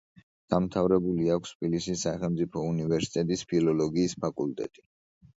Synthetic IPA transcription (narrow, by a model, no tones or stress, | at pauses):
d̪̥amt̪ʰavɾɛbuliakʷʰst̪ʰbilisisːaχɛlˠmt̪sʼipʰɔunivɛɾsi̥t̪ʼɛt̪ʼispʰilɔlɔɡiːspʰakʼult̪ʼɛ̰t̪ʼi